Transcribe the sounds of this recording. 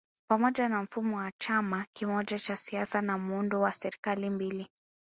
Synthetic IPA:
pamɔʄanam̩fumɔwat͡ʃamakimɔʄat͡ʃasiasanamundɔwasɛɾikalimbili

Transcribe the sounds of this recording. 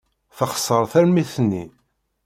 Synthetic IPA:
θəχsˤːəɾˤθæɾmiθənːḭ

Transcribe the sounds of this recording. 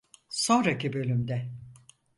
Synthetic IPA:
so̞nɾakʰibø̞lʲymd̪ɛ

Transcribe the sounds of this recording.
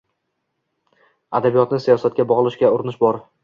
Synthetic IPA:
ad̪abijɒt̪nɪsijɒsat̪̚kʲabɒʁlˠɪʃkʲaʊɾɪnɪʃbɒɾ

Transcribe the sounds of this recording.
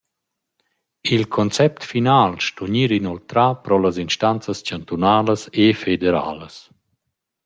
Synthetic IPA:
ilkʰɔnt͡sɛp̚t̪finaːlʃtuɲiːɾinɔlt̪ɾapɾɔlasinʃtant͡səscant̪unaːləsefed̪eɾa̰ːləs

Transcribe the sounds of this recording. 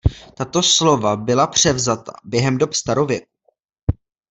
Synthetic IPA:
t̪at̪o̞slo̞vabɪlapr̝̥ɛvzat̪a̰bjɛɦɛmdo̞pst̪aɾovjɛk̚u

